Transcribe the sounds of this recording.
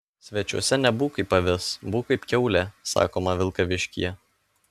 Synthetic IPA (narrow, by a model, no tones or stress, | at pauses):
sʲʋʲɛt͡ʃʲuɔsʲɛnʲɛbuːkiːˑpɐʋʲɪsbuːkɐɪpkʲɛʊlʲɛsɑ̰ːkoːmɐʋʲɪlˠkɐʋʲɪʃʲkʲḭjɛ